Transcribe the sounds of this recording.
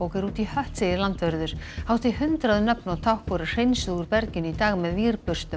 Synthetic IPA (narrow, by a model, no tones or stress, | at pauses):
owkɪɾuːt̪ihœht̪sejɪlant̪vɛɾðʏɾ̥hawst̪ɪɦʏnt̪ɾaðʏnœpnawt̪ʰawhkɔɾɪ̥r̥ejnsʏʏɾpɛɾcɪnit̪aːɣmɛðviːɾpʏr̥st̪ʏ